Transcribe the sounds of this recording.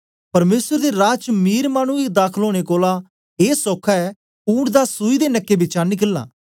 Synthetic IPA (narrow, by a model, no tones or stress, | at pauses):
pɐɾmeːsəɾd̪eɾaːt͡ʃmiːɾmaːɽ̃ũɪkd̪aːkʰəloːɽ̃ekoːla | eːsɔːkʰaɛ | uːɽd̪asuːid̪enɐkːebɪt͡ʃaːnikɪlːa̰ː